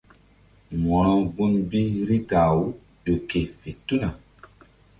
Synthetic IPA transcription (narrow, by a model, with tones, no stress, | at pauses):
mɔ˨ɾ̃ɔ˦bu˦nbi˦ɾi˦ɡa˨wu˦ | ɗo˨ke˨fe˨tu˦na˨